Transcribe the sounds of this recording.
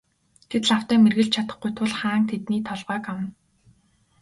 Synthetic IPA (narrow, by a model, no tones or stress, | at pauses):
ɡ̥et̪ɮawt̪æːmerɣɘ̆ɮt͡ɕt͡ɕʰat̪ə̥̆χɡujt̪ʰʊɮχaːŋt̪ʰet̪niːt̪ʰɔɮʁœːkawə̆n